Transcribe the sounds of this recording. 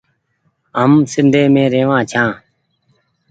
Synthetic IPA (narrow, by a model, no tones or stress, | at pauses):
ɦəmsɪnd̪ʱẽːmẽːɾeːʋãːt͡ʃʰãː